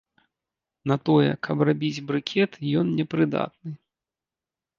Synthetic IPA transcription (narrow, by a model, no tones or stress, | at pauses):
nɐt̪ɔjɛ̰kʰɐprabʲid͡zʲbɾɨkʲʰɛt̪jɔnnʲɛpɾɨd̪a̰t̪̚nɨ